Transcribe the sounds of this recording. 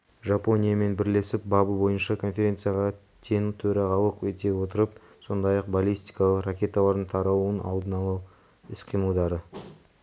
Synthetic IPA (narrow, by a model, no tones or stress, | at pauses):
ʒapo̞nʲijame̞nbɪɾle̞sɪp̚bɑbəbo̞jənʃɑkʰo̞nfʲe̞ɾʲe̞nt̪sɨjaʁɑ | t̪ʲʰe̞nt̪ʰɵɾɑʁɑlˠəqwet̪e̞wo̞t̪əɾəp̚ | so̞nd̪ɑjɑq̚balʲijst̪i̥jkɑlˠəqrakʲe̞t̪ɑlˠɑɾd̪əɴt̪ʰɑɾɑwuənɑ̰lˠd̪ənɑlˠɑw | ɪsqʰijməlˠd̪ɑɾə